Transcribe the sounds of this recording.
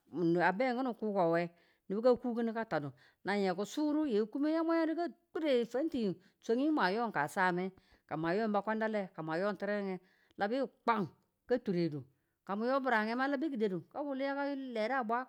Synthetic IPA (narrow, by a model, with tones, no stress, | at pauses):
n˨a˨bɛ˦˨ŋku˦nu˨ku˦ko˨wɛ˦ | ni˨bi˦ka˦ku˦ki˦ni˦ka˦ta˨du˨ | na˨ɲɛ˨ku˨su˦ɾu˦je˨˦ku˦mi˦ja˦ma˦jo˦di˦ka˦k͡pu˦ɾe˨fe˦n˦ti˨ji˨ | so˦ŋi˦ma˨jɔ˦ŋ˨ka˨sa˦˨mɛ˦ | ka˨ma˨jo˦m˦ba˦kʷa˦nda˦lɛ˦ka˨m˨a˨jɔ˦n˨ti˦ɾɛ˦ŋɛ˦ | lʔa˨bi˦˨k͡pa˦ŋ | ka˦tu˨ɾe˨du˨ | ka˨mu˨˦jo˦bu˨ɾa˨ŋɛ˦ma˦la˦bi˦ki˨de˨du˨ka˦wu˦˨li˦ja˦ka˦le˨ɾa˦˨bʷa˦